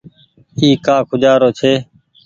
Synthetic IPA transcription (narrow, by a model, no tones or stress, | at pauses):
iːkaːkʰʊd͡ʒaːɾoːt͡ʃʰeː